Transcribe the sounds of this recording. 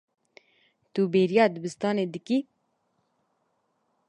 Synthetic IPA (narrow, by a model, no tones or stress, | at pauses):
t̪ubeːɾijɑːd̪ɨbɨst̪ɑːneːd̪ɨki